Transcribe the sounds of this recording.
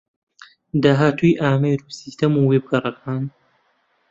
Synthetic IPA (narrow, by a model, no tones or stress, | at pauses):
d̪aːɦaːt̪ʰujʔaːmejɾusist̪ɐmuweb̚ɡɐrˤɐkʰaːn